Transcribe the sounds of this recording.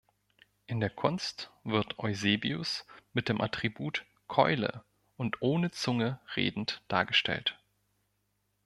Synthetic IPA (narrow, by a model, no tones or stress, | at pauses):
ʔɪndeːɐkʰʊnstv̥ɪɐtʰʔɔʏzeːbiʊ̰smɪt̚d̥eːmʔatʁ̥ibuːt | kʰɔ̰ʏlə̰ | ʔʊntʔoːnət͡sʊŋəʁḛːdn̩td̥a̰ːɐɡəʃtɛ̰lt